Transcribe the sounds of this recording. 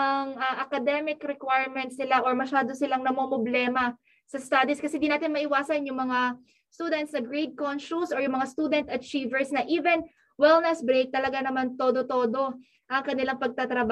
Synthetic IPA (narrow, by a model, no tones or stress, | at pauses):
ʔɐŋʔɐʔɐkɐd̪ɛmɪkɾɛkwajɹmɛnt̪̚sɪlaʔoɹmɐʃaːd̪o̞sɪlaŋnɐmomoblɛːmɐ | sɐst̪ad̪iskɐsɛnd̪inaːt̪ɪnmɐʔɪwaːsɐnjʊŋmɐŋa | st̪uːd̪ɛnt̪snɐɡɹed̪̚konʃusʔoɹjʊŋmɐŋast̪uːd̪ɛnt̪ɐt͡ʃiːvɛɹsnɐʔiːvɛn | wɛlnɛsbɾek̚t̪ɐlɐɡanɐmant̪oːd̪ot̪o̞ːd̪o̞ | ʔɐŋkɐnɪlaŋpɐɡ̚t̪at̪ɾɐba